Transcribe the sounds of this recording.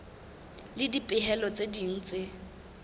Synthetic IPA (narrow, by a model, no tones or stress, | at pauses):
lɪdipʼɪɦɛlɔt͡sʼedin̩ːt͡sʼe